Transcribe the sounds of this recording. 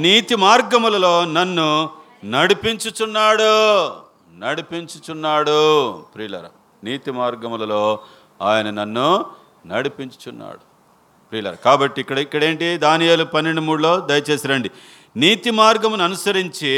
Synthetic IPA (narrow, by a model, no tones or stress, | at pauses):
niːt̪imaːɾɡɐmulɐlo̞ːnɐnːu | nɐɽipiɲt͡ʃut͡ʃunːaːɽu | nɐɽipiɲt͡ʃut͡ʃunːaːɽupɾiːlɐ̰ɾɐ̰ | niːt̪imaːɾɡɐmulɐlo̞ː | aːjɐnɐnɐnːu | nɐɽipiɲt͡ʃu̥t͡ʃunːa̰ːɽu | pɾiːlɐ̰ɾɐ̰kaːbɐʈːiːkːɐɽɐikːɐɽe̞ːɳʈid̪aːnijelupɐnːe̞ɳɖumuːɽulo̞ːd̪ɐjɐt͡ʃeːsɐɾɐɳɖi | niːt̪imaːɾɡɐmunuɐnusɐɾiɲt͡ʃi